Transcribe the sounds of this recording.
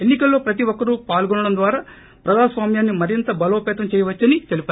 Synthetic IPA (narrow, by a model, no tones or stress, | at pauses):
enːikɐlːo̞ːpɾɐt̪̬iʋɔkːɐɾupaːlɡɔɳːɐɽɐmd̪ʋaːɾaː | pɾɐd͡ʒaːsʋaːmjaːnːimɐɾint̪ɐbɐlo̞ːpɛːt̪ɐmt͡ʃɛːjɐʋɐt͡ʃːɐnit̪e̞lipɐ